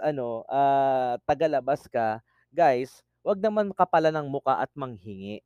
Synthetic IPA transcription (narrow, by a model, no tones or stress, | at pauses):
ʔɐno̞ʔaːt̪ɐɡalɐbaskɐ | ɡajs | wɐɡ̚nɐmankɐpɐlanɐŋmʊkaʔɐt̪̚mɐŋhɪŋɛʔ